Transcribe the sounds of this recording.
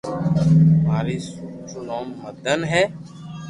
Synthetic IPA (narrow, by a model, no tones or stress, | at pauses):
maːɾiːsuːt͡ʃʊnoːmːəd̪ʱənɦɛː